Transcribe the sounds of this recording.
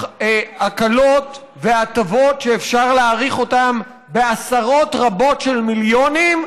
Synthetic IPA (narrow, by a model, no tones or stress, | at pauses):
akalo̞t̪ | ve̞at̪avo̞tʃeːfʃaʁleaʁiχo̞tam | be̞asaʁo̞tʁabo̞tʃe̞lmiljonim